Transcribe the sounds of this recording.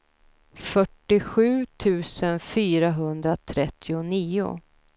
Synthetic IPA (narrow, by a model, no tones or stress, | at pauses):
fœʈːɪɧʉ̟ːt̪ʰʉ̟ːsənfyːɾaɦɵnd̪ɾat̪ʰɾɛt̪ʰːɪʊniːʊ̰